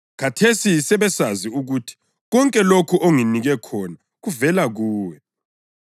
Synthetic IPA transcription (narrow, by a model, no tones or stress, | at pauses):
kʰatʰesisɛβɛsaziuɣutʰi̥ | ɣɔŋkʼɛlokʰuʔoŋiniɣɛkʰɔna | ɣuvɛlaɣuːwɛ